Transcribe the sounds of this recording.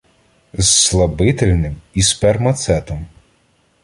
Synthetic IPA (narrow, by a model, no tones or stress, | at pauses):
zslˠɐbɪt̪elʲnɪmispɛrmɐt̪sɛt̪ɔm